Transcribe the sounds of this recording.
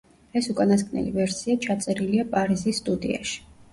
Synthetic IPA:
ɛsukʼanaskʰʼnɛ̰lḭvɛɾsiat͡ʃʰat̪sʼɛɾiliapʼaɾizisːt̪ʼud̪ḭa̰ʃi̥

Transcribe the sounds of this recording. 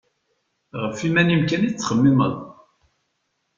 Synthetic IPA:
ʁəfimænimkænit͡sːχəmːɪmə̰ðˤ

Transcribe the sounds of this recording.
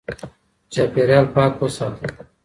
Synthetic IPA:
t͡ʃaːpeɾjaːlpaːkosaː

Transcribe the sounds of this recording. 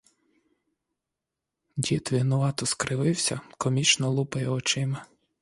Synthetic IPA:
dʲit̪ʋʲiɦnʊʋɑt̪ɔskɾɪʋɪwsʲɐkɔmʲit͡ʃnɔlˠupɪjɛɔt͡ʃɪmɐ

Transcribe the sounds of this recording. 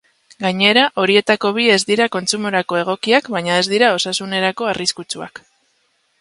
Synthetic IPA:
ɡaɲe̞ɾaʔo̞ɾie̞t̪ako̞β̞ie̞zd̪iɾako̞nt͡sumo̞ɾako̞e̞ɣ̞o̞kiakβaɲae̞zd̪iɾao̞sasune̞ɾako̞ariskut͡sua̰k

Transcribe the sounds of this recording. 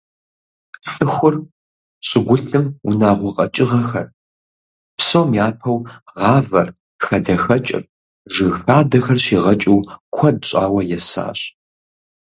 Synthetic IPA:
t͡sʼɨxʷʊr | ɕʼɪɡʷʊɬɨmʊnaːʁʷʊqʼɐt͡ʃʼɪʁɐxɐ̰r | psowmjaːpʰɐwʁɑːvɐr | xɐdɐxɐt͡ʃʼɐ̰p̚ | ʒɨɣxaːdɐxɐrɕiːʁɐt͡ʃʼiwkʷʰɐd̚ɕʼaːwɐjɛsa̰ːɕ

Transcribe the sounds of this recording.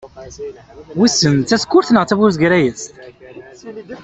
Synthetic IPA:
wisənt̪ːæskːʊɾθnəʁt͡sævʊɾθɡɾæjəs

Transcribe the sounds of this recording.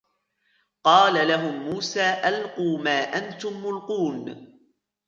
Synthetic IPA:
qɑːlalaɦʊmːuːsaːʔalquːmaːʔant̪ʊmːʊlquːn

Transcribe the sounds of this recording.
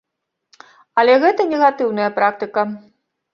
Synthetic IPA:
ɐlʲɛɣɛt̪ɐnʲɛɣat̪ɨwnɐjɐpɾak̚t̪ɨkɐ

